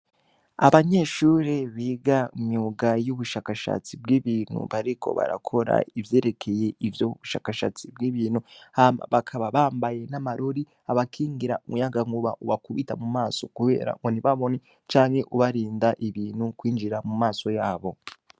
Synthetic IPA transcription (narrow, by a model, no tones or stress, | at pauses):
aβaɲe̞ʃuɾeβiːɡaimuːɡajuβuʃaːkaʃa̰t͡sibɡiːβiːn̥hṵβaɾikʰo̞̰βa̰ɾa̰kʰo̞ɾa̰ivje̞ːɾe̞kʰe̞je̞ʔivjoβuʃa̰ːkaʃa̰t͡sibɡiːβiːnhuhama̰βakʰaβaβaːmbaje̞namaɾo̞ɾi | aβakʰiːŋɡiɾaumujaɡaŋɡuβaʔuβakuβitamumaːso̞kuβe̞̰ːɾa̰ŋɡoniβaβo̞ni | t͡ʃaːŋhe̞ʔuβaɾiːndaʔiβiːnhukwiːnd͡ʒiɾamumaːso̞jaːβo̞